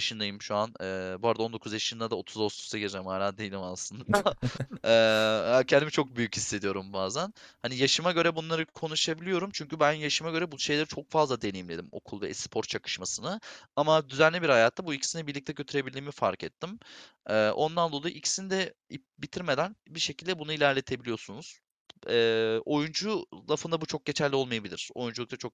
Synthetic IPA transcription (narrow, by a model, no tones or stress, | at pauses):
ʃɯnd̪ajɯmʃuanɛːbuaɾd̪ao̞nd̪o̞kʰuzjaʃɯnd̪ad̪ao̞t̪ʰuzost̪u̥st̪ʰaɟeɾd͡ʒɛmaɾand̪ejilʲimasˠɯnd̪ | ɛːhacʰɛnd̪imit͡ʃʰo̞k̚byjychisːe̞d̪ijo̞ɾumbaːzænhanijaʃɯmaɟø̞ɾɛbunlˠaɾɯkʰo̞nuʃabilʲijo̞ɾumt͡ʃʰyɲcybænjaʃɯmaɟøɾɛbuʃe̞jlʲeɾit͡ʃʰo̞k̚fazlˠad̪enejimlʲe̞d̪imo̞̰kʰulˠvɛspʰo̞ɾt̪t͡ʃʰakɯ̥ʃmasɯnɯamad̪yzænlʲibiɾhajaːt̪ːabuicʰi̥sinɛbiɾlʲic̚t̪ʰɛɟøt̪ʰyɾe̞bilʲːiːmifa̰ɾkɛt̪ʰːim | ɛːʔo̞nd̪and̪o̞lˠajuicʰi̥sinid̪ɛ | ip̚bit̪ʰiɾme̞d̪ænbiʃe̞cilʲd̪ɛbunuilʲæɾlʲe̞t̪ʰe̞bilijo̞sunuz̥ | ɛːo̞jund͡ʒulˠafɯnd̪abut͡ʃʰo̞k̚ɟe̞t͡ʃʰæɾlʲio̞lˠmajabilʲḭɾ̥o̞̰jund͡ʒulˠukt̪at͡ʃʰok̚